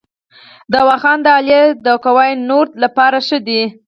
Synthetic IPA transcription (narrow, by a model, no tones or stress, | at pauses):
d̪awɑxɑnd̪əɑljed̪əkawajnoɾd̪lapɑɾaʂəd̪i